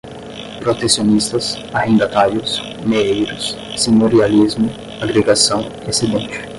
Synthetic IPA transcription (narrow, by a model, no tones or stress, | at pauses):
pɾot̪esjonist̪ɐs | ahĩnd̪at̪aɾjʊs | meejɾʊsː | inoɾializmʊ | aɡɾeɡasɐ̃w̃ | esed̪ẽnt͡ʃɪ̥